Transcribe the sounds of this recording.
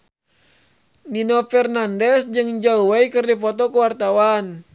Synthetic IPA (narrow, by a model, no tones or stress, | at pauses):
ninofɛrnandɛsd͡ʒɨŋd͡ʒauwaikɨrdipɔt̪ɔkuwart̪awan